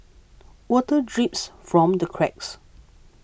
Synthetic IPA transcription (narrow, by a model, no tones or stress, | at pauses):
wɔtədɹipsfɹɔ̃mdəkʰɹɛks